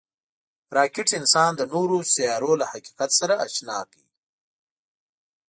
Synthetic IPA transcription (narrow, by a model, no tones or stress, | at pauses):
ɾɑːkɪʈɪnsɑːnd̪ənoɾosijɑɾolahaqi̥qat̪saɾaʔːʃnɑki